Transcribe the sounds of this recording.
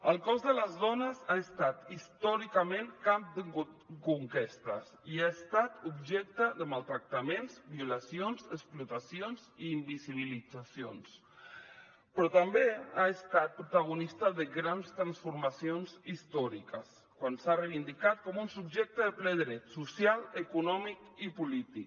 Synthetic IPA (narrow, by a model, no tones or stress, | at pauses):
əlˠkɔzðələzðɔnəzaəst̪at̪ist̪ɔɾikəmẽŋkamp̚d̪əkuŋkest̪əsiaest̪at̪ubʒɛk̚t̪əðəmalˠt̪ɾak̚t̪amẽnzbiulasionzəsplut̪asijonziːmbiziβ̞ilid͡zasio̰ns | pɾɔt̪ambeaəst̪at̪̚pɾut̪aɣ̞unist̪əðəɣɾanst̪ɾansfuɾmasjonzist̪ɔɾikəs | kwansareβind̪ikat̪̚kɔmunsubʒɛk̚t̪əðəplɛðɾɛt̪susjaləkunɔmikipulit̪ik